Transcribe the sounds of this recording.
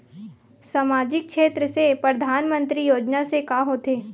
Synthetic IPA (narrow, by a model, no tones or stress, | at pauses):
samaːd͡ʒɪk̚ʃeːt̪ɾəsepɾəd̪ʱaːnmə̃nt̪ɾijoːd͡ʒnasekaːɦoːt̪eː